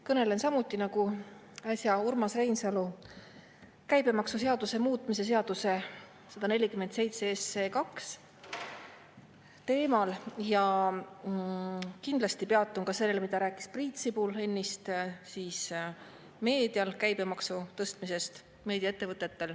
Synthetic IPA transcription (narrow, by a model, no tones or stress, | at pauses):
kɤne̞le̞nsɑmut̪ːˑinɑɡu | ɑsʲjɑurmɑsrejnsɑlu | kæjbe̞mɑksuse̞ɑd̪̥use̞muːt̪ˑmise̞se̞ɑd̪̥use̞ | sɑd̪ɑne̞lʲikymːend̪se̞jt̪seesːekɑks | t̪e̞ːmɑljɑ | kind̪̥lɑst̪ipe̞ɑt̪ːˑunkɑse̞lːe̞lemid̪̥ɑɾæːkːˑi̥sprit̪sibule̞nːist̪siːs | me̞ːd̪̥iɑlkæjbe̞mɑksut̪ɤst̪mise̞st̪ | me̞ːd̪ijɑet̪ːe̞vɤt̪ːˑe̞t̪ːe̞l